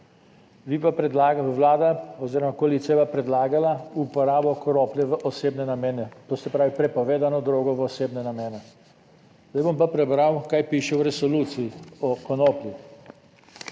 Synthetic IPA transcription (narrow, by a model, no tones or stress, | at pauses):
ʋipapɾɛd̪laːɡaəwlaːd̪aɔziːɾɔmakoalit̪siapapɾɛd̪laːɡalaupɔɾaːbɔkɔnoplʲjɛʋəʔɔseːbnɛnamɛːnɛt̪oːsɛpɾaːʋipɾɛpɔʋeːd̪anɔd̪ɾoːɡɔʋɔseːbnɛnamɛːnɛ | zd̪ajbompapɾɛbɾawkaːjpiːʃɛwɾɛsɔluːt̪sijiɔkɔnoplʲi